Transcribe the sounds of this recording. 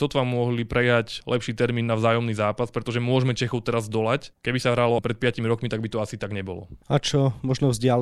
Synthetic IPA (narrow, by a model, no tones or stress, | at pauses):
sɔt̪ʋamːʊɔɦlipɾɛjaclʔɛpʃiːt̪ɛɾmiːnːavzaːjɔmniːzaːpaspɾɛt̪ɔʒɛmʊɔʒmɛt͡ʃɛxɔʊt̪ɛɾazd̪ɔlackɛbisaɦɾalɔpɾɛt̪̚pɪacimiɾɔkmit̪aɡbit̪ɔasit̪aɡɲɛbɔ̰lɔ̰at͡ʃɔmɔʒnɔvzɟɪal